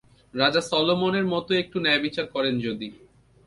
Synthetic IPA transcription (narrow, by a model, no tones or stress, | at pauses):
ɾad͡ʑasɔlomoneɾmɔt̪oek̚ʈunɛbit͡ɕaɾkɔɾend͡ʑod̪i